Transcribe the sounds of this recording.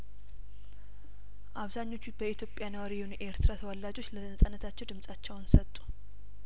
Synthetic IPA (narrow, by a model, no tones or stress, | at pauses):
ʔaβzaɲːo̞t͡ʃːubəit̪jo̞pʼːjanəwaɾijhunʔe̞ɾt̪ʰɨɾat̪ʰəwəlːad͡ʒo̞t͡ʃːləzənsʼənːət̪ʰat͡ʃːɛwd̪ɨmsʼat͡ʃːɛwnsət̪ʼːu̥